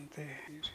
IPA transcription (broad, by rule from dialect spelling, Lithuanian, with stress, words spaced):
ˈtɐɪ ɪr